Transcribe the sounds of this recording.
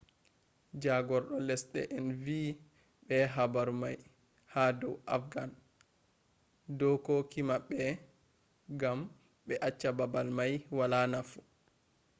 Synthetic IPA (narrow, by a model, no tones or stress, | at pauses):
d͡ʒaɡɔɾɗɔlɛsɗɛ̰ʔɛnvi | ɓɛɦabaɾumaj | hadɔwʔa̰fɡan | dɔkɔkimaɓːɛ | ɡam | ɓɛʔat͡ʃːababalmajwalanafu̥